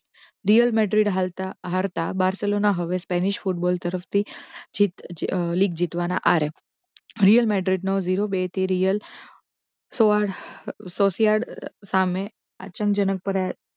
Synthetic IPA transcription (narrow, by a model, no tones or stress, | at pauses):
ɾijəlmɛɖɾiɖɦat̪aɦaɾt̪abaɾselonaɦəʋespɛniɕfuʈbɔlt̪əɾəft̪id͡ʑit̪liːɡd͡ʑit̪ʋana̰ʔaɾe | ɾijəlmɛɖɾiɖnɔʋd͡ziɾobet̪iɾijəl | soaɽsosijaɽsamẽ | a̰t͡ɕəŋkd͡ʑənək̚pəɾa